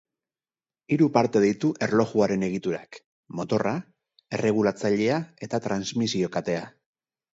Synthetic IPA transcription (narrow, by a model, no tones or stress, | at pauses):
iɾupaɾt̪e̞ð̞ejt̪uʔe̞ɾlo̞ʝuaɾe̞ne̞ɣ̞it̪uɾa̰k | mo̞t̪o̞ra | e̞re̞ɣ̞ulat͡saʎe̞ae̞t̪at̪ɾanzmisio̞kat̪e̞a